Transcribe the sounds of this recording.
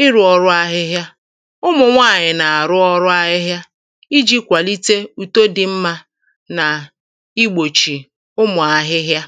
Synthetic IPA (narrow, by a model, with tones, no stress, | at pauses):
ɪ˦ɾʊ˨ɔ˨ɾʊ˦a˦ɦɪ˦ɦja˦ | ʊ˦mʊ˨ŋʷa˦˨ɲɪ˨na˨a˨ɾʊ˦ɔ˦ɾʊ˦a˦ɦɪ˦ɦja˦ | i˦d͡ʒi˦kʷa˨li˦te˦u˨to˦dɪ˨m̩˦ma˦ | na˨ | i˦ɡ͡bo˨t͡ʃi˨ | ʊ˦mʊ˨a˨ɦɪ˦ɦja˦